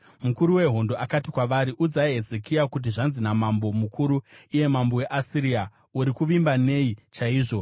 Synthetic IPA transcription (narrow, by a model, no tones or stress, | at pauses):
mukuɾuwe̞ɦo̞ndo̞akatikwaʋaɾiʔud͡zaiɦe̞zekiakut̬iʐanzinamambo̞mukʰuɾuije̞mambo̞we̞ʔasiɾia | uɾikuʋimbane̞it͡ʃaiːʐo̞